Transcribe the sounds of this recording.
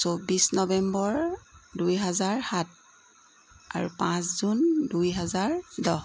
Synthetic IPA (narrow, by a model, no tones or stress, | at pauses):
sobisnɔbɛmbɔɹdujɦɛzaɹhat̚ | a̰ɹupãszundujɦɛzaɹdɔh